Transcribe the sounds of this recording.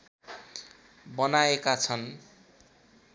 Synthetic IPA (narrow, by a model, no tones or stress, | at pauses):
bʌnaekat͡sʰʌn